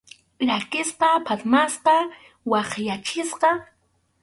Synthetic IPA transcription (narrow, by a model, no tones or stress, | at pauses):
ɾakɪspɑpʰat̪masqɑ | wɑχjat͡ʃɪsqɑ